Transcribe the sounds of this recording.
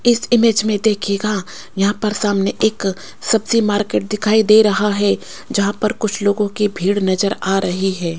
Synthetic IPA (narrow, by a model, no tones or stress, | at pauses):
ɪsɪmeːd͡ʒmẽd̪eːkʰeːɡa | jɐɦãpɐɾsaːmneʔeːk | sɐbsimaːɾkeːʈ̚d̪ɪkʰaːid̪eːɾɐɦaɦɛ | d͡ʒɐɦãpɐɾkʊt͡ʃʰloːɡõkibʱiːɽnɐzəɾaːɾɐɦiɦɛː